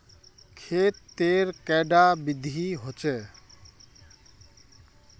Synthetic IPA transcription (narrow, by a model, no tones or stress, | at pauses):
kʰet̪ːeɾkɛɖabid̪ʱiɦot͡ʃe